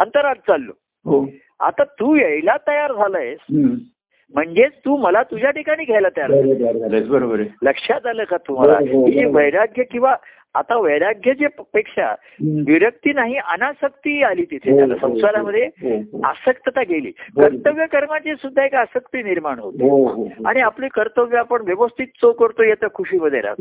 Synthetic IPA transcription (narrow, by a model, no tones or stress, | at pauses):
ənt̪əɾad͡z̚t͡salːo̰ | ɦo | a̰t̪at̪uːjəjlat̪əjaɾd͡zʱaləjs | m̤əɳd͡zet͡st̪uːməlat̪ud͡ʑʱjaʈikaɽ̃iːɡʱɛjlat̪əjaɾalebəɾobəɾeləkʂjad͡zʱaləkat̪um̤a̰la̰kieʋəjɾaɡʱjəkĩw̃ʋaː | t̪aʋəjɾaɡʱjəd͡ʑepekʂa̰ | ʋiɾək̚t̪iːnaɦiʔənasək̚t̪iːaliːt̪it̪ʰet̪jala̰sə̃w̃saɾaməd̪ʱːjeə̰səkt̪ət̪aɡelḭːkəɾt̪əʋjəkəɾmat͡ɕesud̪ʱːaekəsəkt̪iːniɾmaɳɦot̪oa̰ɽ̃iapliːkəɾt̪əʋjəapəɳʋjəʋəst̪ʰit̪̚t͡sokəɾt̪ojet̪əkʰuɕiːməd̪ʱːjḛɾa̰